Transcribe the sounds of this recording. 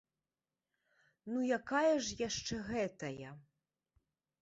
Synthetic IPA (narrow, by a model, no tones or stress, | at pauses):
nujakajɐʐjaʂt͡ʂɛɣɛt̪ɐjɐ